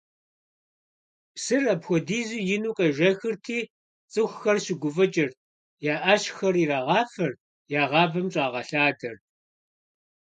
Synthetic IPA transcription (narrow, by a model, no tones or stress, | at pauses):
psɨrɐpxʷɔdiːzuːjɪnuːqʼɐʒʷɐxɨrtʰiː | t͡sʼɨxʷxɐrɕɪɡʷʊfɐt͡ʃʼɐr | jaːʔaɕxɐriːraːʁɑːfɐr | jaːʁɑːbɐmɕʼɑːʁɐɬaːdɐr